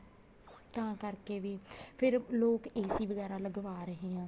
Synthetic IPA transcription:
t̪ãːkəɾkeːʋiːpʰɪɾloːkeːsiːʋəɡɛːɾaːləɡʋaːɾəɦeːãː

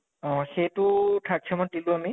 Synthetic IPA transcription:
ɔ̃xejtʊtʰak̚t͡ʃʰɛmɔn̚dilʊami

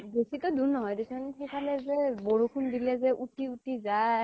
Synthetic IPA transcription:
besitɔduɹnɔɦɔjdesɔnxejkʰalɛzɛbɔɹukʰundilɛzɛʔutiutiza

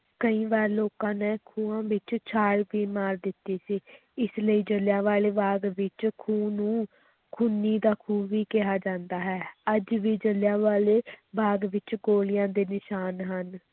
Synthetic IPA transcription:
kəĩːʋaːɾloːkãːnɛːkʰũːãːʋɪt͡ʃt͡ʃʰaːɽʋiːmaːɾd̪ɪt̪ːiːsiː | ɪsləiːd͡ʒəljãːʋaːleːbaːɡʋɪt͡ʃkʰuːnũː | kʰʊnːiːd̪aːkʰuːʋiːkɪɦaːd͡ʒãːnd̪aːɦɛːəd͡ʒʋiːd͡ʒəlɪjãːʋaːleːbaːɡʋɪt͡ʃɡoːlɪjãːd̪eːnɪʃaːnɦən

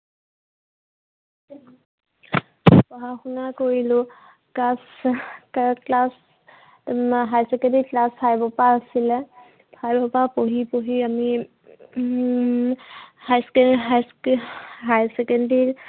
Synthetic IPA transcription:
pɔɦaxunakoɹilʊ | kas | klas | ɦajsɛkɛndiklaspʰajbɔpaasilɛ | pʰajbɔpapoɦipoɦiami | hajsk | ɦajsɛkɛndi

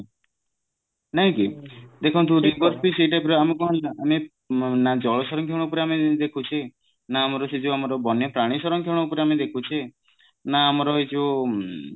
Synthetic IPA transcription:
naɦĩkid̪ekʰɔnt̪̬uɾibɔɾpiseiʈapiɾɔamɔkɔɦɔ̃laami | nad͡ʒɔɭɔsɔɾɔŋkʰeɽ̃ɔupɔɾeamid̪ekʰut͡ʃʰi | naːmɔɾɔsed͡ʒuamɔɾɔbɔnjɔpɾaɽ̃isɔɾɔŋkʰeɽ̃ɔupɔɾeamed̪ekʰut͡ʃʰi | naːmɔɾɔed͡ʒʰu

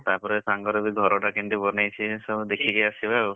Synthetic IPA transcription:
t̪aɾpɔɾesaŋɡɔɾebiɡʱɔɾɔʈakiɳʈibɔnajt͡ʃʰisɔd̪ekʰikajasibao

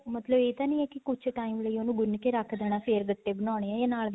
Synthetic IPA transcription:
mət̪ləbeːt̪aːnĩɛːkikʊt͡ʃʰʈaːimʋləiːonũːɡʊnːkeɾakʰːd̪ɛːɽ̃aːpʰeːɾɡəʈːeːbənãːɽ̃eːɛ̃eːnaːl

